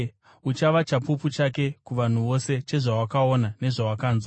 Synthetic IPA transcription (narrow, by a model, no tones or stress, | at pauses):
ut͡ʃaʋat͡ʃapuput͡ʃake̞kuʋan̤uʋo̞se̞t͡ʃe̞ʐawakaonane̞ʐawakaːnza